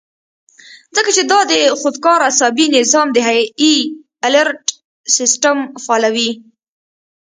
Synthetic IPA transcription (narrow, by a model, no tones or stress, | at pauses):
zəkat͡ʃed̪ɑd̪əxʊd̪kɑɾasɑbinɪzɑmd̪əɦai | aləɾʈ | sɪsʈamfɑlawi